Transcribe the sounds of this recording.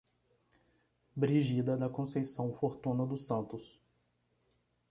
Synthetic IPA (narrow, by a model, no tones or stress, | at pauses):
bɾiʒid̪ɐd̪ɐkõsejsɐ̃w̃foɾt̪ũnɐd̪ʊsɐ̃nt̪ʊs